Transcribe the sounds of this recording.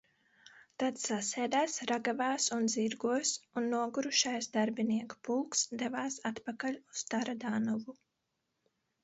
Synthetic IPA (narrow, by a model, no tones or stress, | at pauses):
t̪at̪ssasʲɛːd̪aːsɾaɡavaːsunziɾɡuɔsunːuɔɡuɾuʃajsd̪aɾbiniɛkpulˠksd̪ɛvaːsat̪pakalʲust̪aɾad̪aːnɔvu